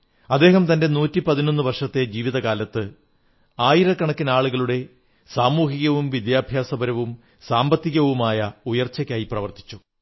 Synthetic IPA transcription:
ɐd̪ːe̞ːɦɐmt̪ɐnde̞nuːtːipɐðino̞nːuʋɐrʂɐt̪ːe̞d͡ʑiːʋiðɐkaːlɐt̪ːɨ | aːjiɾɐkːɐɳɐkːinaːɭuɣɐɭuɽe̞ | saːmuːɦiɣɐʋumʋid̪jaːbʱjaːsɐbʱɐɾɐʋum | saːmbɐt̪ːiɣɐʋumaːjɐujɐrt͡ɕːɐkʲːaːjiprɐʋɐrt̪i̥t͡ɕːu

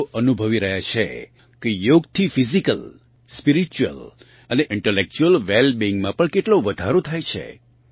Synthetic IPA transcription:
ʔənubʱəʋiɾəɦjat͡ʃʰe | kejoɡt̪ʰifizikəl | spiɾit͡ʃuə̰l | əneʔɪɳʈelek̚t͡ʃuəlʋelbĩŋɡmãpəɳkeʈloʋəd̪ʱaɾõt̪ʰajt͡ʃʰḛ

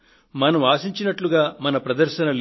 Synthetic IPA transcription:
mɐnɐmaːsiɲt͡ʃinɐʈluɡaːmɐnɐpɾɐd̪ɐɾʃɐnɐl

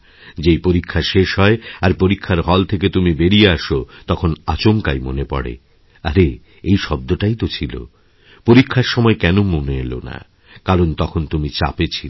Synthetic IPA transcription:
d͡ʑejpoɾikʰːaʃeʃɦɔeaɾpoɾikʰːaɾɦɔlt̪ʰeket̪umibeɾijeaʃot̪ɔkʰona̰t͡ɕoŋkajmo̰nepɔ̰ɽḛ | a̰ɾe | ejʃɔb̚d̪oʈajt̪ot͡ɕʰilo̰ | poɾikʰːaɾʃɔmɔekɛnomoneelo̰na̰ | kaɾont̪ɔkʰont̪umit͡ɕa̰pet͡ɕʰil

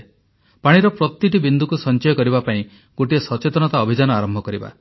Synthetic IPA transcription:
paɽ̃iɾɔpɾɔt̪ːiʈibind̪ʱukusɔnt͡ʃɔjɔkɔɾibapaĩ | ɡ̥oʈiesɔt͡ʃet̪ɔnɔt̪aɔbʱid͡ʒanɔaɾɔmbʱɔkɔɾiba̰

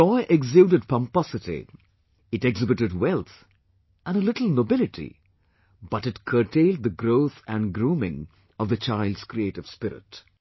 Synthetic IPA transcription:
ɔɪʔɛɡzɪbdɨd̚pʰʌ̃mpɔsɨtḭ | ɨtɛɡzɪbɨtɨdwɛlˠt̪ | ʔæ̃nəlɪʈl̩ˠnobɪlɪtʰḭ | b̥ʌtɨtkʰəʈʰeɪlˠd̪̚d̪ɨɡɾoʊθæ̃nɡɾũːmɪ̃ŋ | ɔvðət͡ʃaɪldskɾieɪʈɨv̥spɪɾɪ̰t

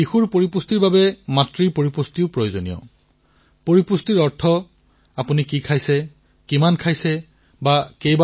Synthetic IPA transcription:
ixuɹpoɹipustiɹbabɛmatɹiɹpoɹipustiʊpɹojozonḭjɔ̰ | poɹipustiɹɔɹtʰɔ | apunikikʰajsɛ | kimankʰajsɛ | bakejba

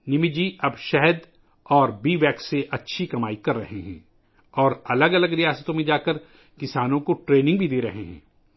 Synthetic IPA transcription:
nɪmɪd͡ʒiɐbʃɛɦəd̪ | ɔːɾbiːʋɛːkseʔɐtːʃʰikɐmaːikɐɾːɐ̰ɦeɦɛ̰̃ː | ɔːɾɐləɡɐləɡɾijaːsət̪õmẽd͡ʒaːkəɾ | kɪsaːnõkoʈɾeːnɪ̃ŋɡbʱid̪eːɾɐɦḛɦɛ̰̃ː

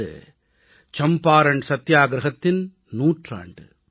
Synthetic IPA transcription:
ɯ̰ | t͡ʃɐmpaːɾɐɳɖsɐt̪ːjaːɡɾɐɣɐt̪ːɪn | nuːʈra̰ːɳɖɯ̰

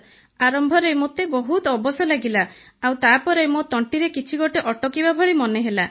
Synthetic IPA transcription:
aɾɔmbʱɔɾemot̪ebɔɦut̪ɔɔbɔsɔlaɡila | awt̪apɔɾemot̪ɔɳʈiɾekit͡ʃʰiɡoʈeʔɔʈɔkibabʱɔɭimɔneɦela

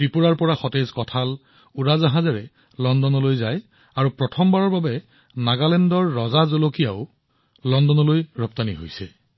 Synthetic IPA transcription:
tɹipuɹaɹpɔɹaxɔtezkɔtʰal | uɹazaɦazɛɹɛ | lɔndɔnɔlojzaj | aɹupɹɔtʰɔmbaɹɔɹbabɛ | naɡalɛndɔɹːɔzazolokijaʊ | lɔndɔnɔlojɹɔp̚taniɦojsɛ

